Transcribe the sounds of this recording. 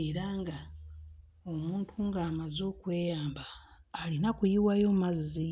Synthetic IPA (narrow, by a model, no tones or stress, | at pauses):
eɾaŋɡa | o̞muːntʰuŋɡaːmazo̞kwe̞ːjaːmbaː | linakujiwajo̞mmazi